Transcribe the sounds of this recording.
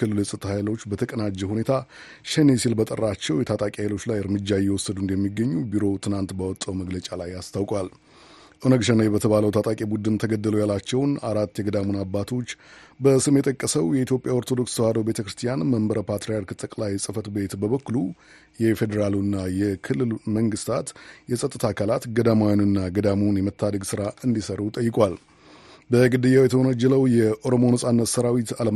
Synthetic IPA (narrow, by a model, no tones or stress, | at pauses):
ɨlːɨlɨsʼɨt̪ʰʼhajlo̞t͡ʃːbət̪ʰəkʼənad͡ʒːɛhune̞t̪ʰa | ʃenesilbət̪ʼərːat͡ʃːɛwjɛt̪ʰat̪ʼakʼihajlo̞t͡ʃːlajɨɾmɨd͡ʒːajɛwɔsːəd̪und̪əmːiɡːəɲːubiɾo̞t̪ʰɨnant̪bawɔt̪ʼːəwməɡlət͡ʃʼalajast̪ʰawkʼwal | ʔonəɡʃənajbət̪ʰəβaləwt̪ʰat̪ʼakʼibud̪ɨnt̪ʰəɡəd̪ːəlujalat͡ʃːɛwnaɾat̪ːjɛɡəd̪amunabːat̪ʰo̞t͡ʃːbəsɨmjɛt̪ʼəkʼːəsəwjɛit̪jo̞pʼjao̞ɾt̪ʰod̪o̞kst̪whad̪obe̞t̪ʰəkɾɨst̪ʰijanməmbəɾəpʰat̪ɾejaɾkɨt̪ʼəkʼlajsʼɨfət̪be̞t̪bəβəkːulu | jɛfe̞d̪əɾalunːajɛkʰɨlːɨlməŋɡɨst̪ʰat̪jɛsʼət̪ʼːɨt̪ʰakʰalat̪ɡəd̪amajanɨnːaɡəd̪amunjɛmət̪ʰːad̪əɡsɨɾaɨnd̪isəɾut̪ʼəjːɪkʼwal | bəɡɨd̪ɨjawjɛt̪ʰəonəd͡ʒːɛləwjɛʔo̞ɾo̞mo̞nəsʼanːət̪səɾawit̪alə